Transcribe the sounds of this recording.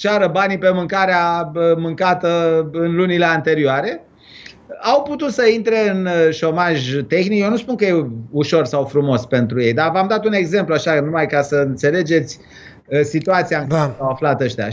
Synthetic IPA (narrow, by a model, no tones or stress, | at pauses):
t͡ʃaɾəbanipe̞mɨŋkaɾeaəmɨŋkat̪əɨnlunile̞ant̪e̞ɾioaɾe̞ | awput̪ut̪səint̪ɾe̞ɨnʃo̞maʒt̪e̞xnikjewnuspunkəjeuʃo̞rsawfɾumo̞spe̞nt̪ɾuje̞jd̪avamd̪at̪une̞ɡze̞mpluaʃanumajkasəɨnt̪se̞le̞d͡ʒe̞t̪sʲ | sit̪uat̪siaŋkasawaflat̪əʃt̪ea̰